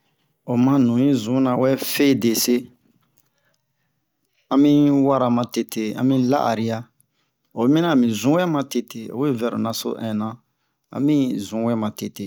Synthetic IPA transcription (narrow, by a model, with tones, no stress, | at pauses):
o˨mã˦nũ˨jĩ˦zũ˨˦nã˨wɛ˦fe˦˨de˨se˦ | ã˧mĩ˦wa˦ɾa˨mã˧te˨tʰe˨ã̰˦mĩ˦la̰˦ʔa̰˨ɾi˦a˦ | o˨˦mĩ˦nã˦˨mĩ˨zũ˨˦wɛ˦mã˨te˨te˨o̰˨we˦vɛ˨ɾo̰˨nã˨so̰˦ʔɛ̃˨nã˨ | ã̰˨˦mĩ˦zũ˨˦wɛ˦mã˨te˨te˨